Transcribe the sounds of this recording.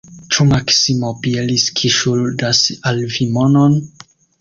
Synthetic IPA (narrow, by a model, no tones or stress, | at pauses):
t͡ʃumaksimopieliskʰiʃuldasalvimonon